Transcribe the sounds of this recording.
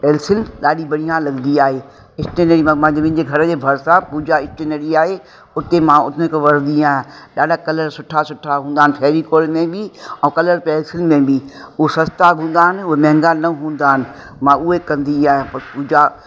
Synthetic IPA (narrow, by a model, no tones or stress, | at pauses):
pɛːlsɪlɗaːɗibɐɽijãlɐɡnd̪iaːɦe | ɪsʈenəɾimãmãɦɪ̃ɲd͡ʑmɪ̃ɦɪ̃ɲd͡ʑeɡʱɐɾəd͡ʑeːbʱɐɾsãpuːd͡ʑaɪsʈeːneɾiaːɦe | ʊt̪emãʊt̪ʰkeʋɐɾnd̪iaːɦjãɗaːɖʱakɐləɾsʊʈʰasʊʈʰaɦũːnd̪aːɦɪnɪpʰɛːɾikoːɽmẽbɪɛ̃kɐləɾpɛːlsɪlmẽbiʊɦesɐst̪aɦũːn̆d̪aːɦɪnɪ̆ʊɦemɛ̃ɦɪ̃ŋɡaːlnɐɦũːn̆d̪aːɦɪnɪ̆ | mãʊɦekɐ̃nd̪iaːɦjãpɐpuːd͡ʑa